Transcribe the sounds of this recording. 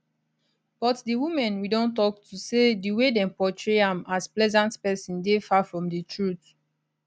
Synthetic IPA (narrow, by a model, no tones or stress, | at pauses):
b̥ɔtdiwumɛ̃nwidõntɔk̚tʰusediwedɛ̃npɔtɹeãmasplɛzãntpɛsɔ̃ndefafɹɔ̃mdətʰɹut